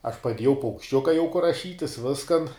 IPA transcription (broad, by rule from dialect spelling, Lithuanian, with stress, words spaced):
ɐʃ pɐˈdʲiɛjɛʊ pɐʊkʃʲˈt͡ʃʲʊkɐ jɛʊ kʊr rɐˈʃʲiːtʲɪs ˈʋʲɪskɐn